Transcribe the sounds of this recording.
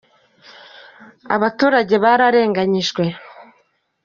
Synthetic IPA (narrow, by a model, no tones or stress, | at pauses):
a̰βatuːɾaɟe̞βaɾaɾe̞ːŋɡaɲiʃɡwe̞